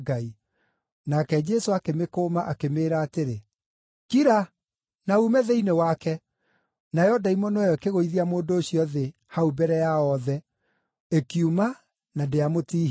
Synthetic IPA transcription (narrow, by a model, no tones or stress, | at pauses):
ɡai | nakɛd͡ʒɛsoakemekoːmaʔakemeːɾaːteɾe | kiɾa | naumɛðɛinewakɛ | najɔdaimɔnɔjɔekeɣoiðiamoːndoːɕiɔðe | haubɛɾɛjaɔðɛ | ekiuma | nadeamotiː